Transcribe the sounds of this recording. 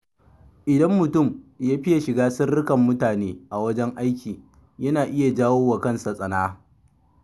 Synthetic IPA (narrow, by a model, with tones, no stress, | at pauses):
ʔɪ˨dɐ˦mːʊ˨tʊ˦˨mjaː˦ɸɪ˦ja˨ʃɪ˨ɡaː˦sɪ˦rːɪ˦kɐ˨mːʊ˦taː˨neː˦ʔa˨wɐ˦d͡ʒɛ˦ŋʔa˦jkʲiː˨ | jɐ˦naː˨ʔɪ˦ja˨d͡ʒaː˦woː˦wa˨kɐ˦˨nsa˨sʼɐ˨naː˦